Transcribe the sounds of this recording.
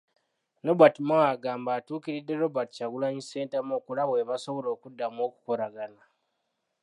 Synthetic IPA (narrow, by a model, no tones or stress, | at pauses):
nobatimaaɡaːmbaːtuːkiɾidːe̞ɾo̞bati̥caɡulaɲise̞ːntemoːkulaβweβaso̞βo̞ɾo̞ːkudːamo̞ːku̥ko̞ɾaɡana